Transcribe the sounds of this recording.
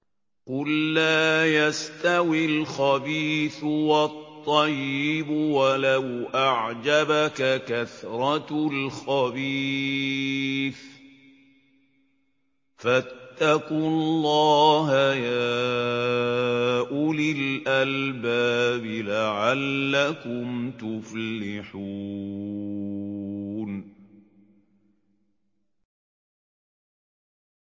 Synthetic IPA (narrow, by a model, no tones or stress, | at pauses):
qʊlːaːjast̪awɪlxabiːθwɑt̪ˤːɑjːɪbʊwalawʔaʕd͡ʒabakakaθɾˤɑlxabiː | θ | fat̪ːaqʊllːɑːɦajaː | ʔʊlɪlʔalbaːbɪlaʕalːakʊmt̪ʊflɪħu | n